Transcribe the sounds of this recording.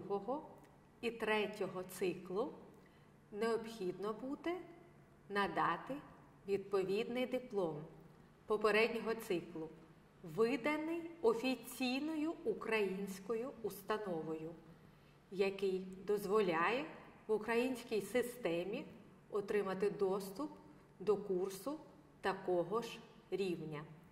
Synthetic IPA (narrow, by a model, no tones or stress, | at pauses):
ɦɔɦɔ | it̪ɾɛtʲɔɦɔt̪sɪklˠʊ | neɔpxʲid̪nɔbud̪ɛ | nɐd̪ɑt̪ɪ | ʋʲid̪̚pɔʋʲid̪nɪjd̪ɪplˠɔm | pɔpeɾɛdʲnʲɔɦɔt̪sɪklˠʊ | ʋɪd̪ɐnɪjɔfʲit͡sʲijnɔjʊukɾɐjinʲsʲkɔjʊust̪ɐnɔʋɔjʊ | jɐkɪjd̪ɔzʋɔlʲɑjɛʋʊkɾɐjinʲsʲkʲijsɪst̪ɛmʲi | ɔt̪ɾɪmɐt̪ɪd̪ɔst̪ʊp | d̪ɔkursʊ | t̪ɐkɔɦɔʒ | ɾʲiwnʲɐ